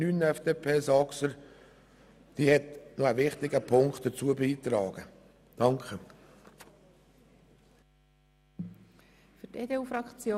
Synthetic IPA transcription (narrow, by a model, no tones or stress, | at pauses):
nyːnɛfd̥eːpʰeːsɑksəɾ | d̥iːhɛtnoævɪχt̪ɪɡəpʰʊŋkt̚d̥ət͡suəbiːt̪ɾɑːɡ̥ə | d̥ɑŋkχə | fʏteːd̪eufɾɑkt͡sjoː